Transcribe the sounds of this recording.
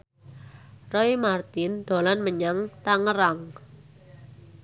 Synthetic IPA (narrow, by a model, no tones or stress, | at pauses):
rɔimart̪ɪnɖ̪̥o̤lanməɲaŋt̪aŋəɾaŋ